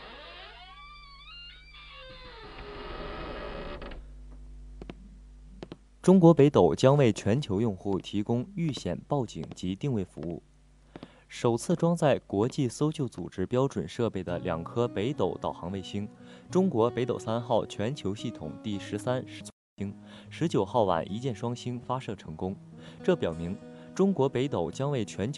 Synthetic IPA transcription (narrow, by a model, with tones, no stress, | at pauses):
ʈ͡ʂʊ˥ŋkwɔ˧˥pe˧˥ɪt̪o˨˩ʊt͡ɕjɑ˥ŋwe˥˩ɪt͡ɕʰɥɛ˧˥nt͡ɕʰjo˧˥ʊjʊ˥˧ŋxu˥˩t̪ʰi˧˥kʊ˥ŋy˥˩ɕjɛ̰˨˩npɑ˥˩ʊt͡ɕḭ˨˩ŋt͡ɕi˧˥t̪i˥˧ŋwe˥˩ɪfṵ˧˥ṵ˥˩ | ʂo˨˩ʊt͡sʰɹ̩˥˩ʈ͡ʂwɑ˥ŋt͡sa˥˩ɪkwɔ˧˥t͡ɕi˥˩so˥ʊt͡ɕjo˥˩ʊt͡sṵ˨˩ʈ͡ʂɻ̩˥pjɑ˥ʊʈ͡ʂwə˨˩nʂɤ˥˧pe˥˩ɪd̪ə˩ljɑ̰˨˩ŋkʰɤ˥pe˧˥ɪt̪o˧˩ʊt̪ɑ˨˩ʊxɑ˧˥ŋwe˥˩ɪɕi˥ŋʈ͡ʂʊ˥ŋkwɔ˧˥pe˧˥ɪt̪o˨˩ʊsa˥nxɑ˥˩ʊt͡ɕʰɥɛ˧˥nt͡ɕʰjo˧˥ʊɕi˥˩t̪ʰʊ̰˨˩ŋt̪i˥˩ʂɻ̩˧˥sa˥nʂ̩˧˥t͡sʰ | i˥ŋ | ʂɻ̩˧˥t͡ɕjo˨˩ʊxɑ˥˩ʊwa̰˨˩nʔi˧˥t͡ɕjɛ˥˩nʂwɑ˥ŋɕi˥nfa˥ʂɤ˥˩ʈ͡ʂʰɤ˧˥ŋkʊ˥ŋ | ʈ͡ʂɤ˥˩pjɑ˨˩ʊmi˧˥ŋ | ʈ͡ʂʊ˥ŋkwɔ˧˥pe˧˥ɪt̪o˨˩ʊt͡ɕjɑ˥ŋwe˥˩ɪt͡ɕʰɥɛ˧˥nt͡ɕʰ